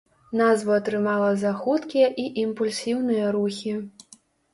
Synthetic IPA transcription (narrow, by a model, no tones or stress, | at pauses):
nazvɐːt̪ɾɨmalˠɐzaxut̪kʲijɐʔiʔimpulʲsʲiwnɨjɐɾuxʲi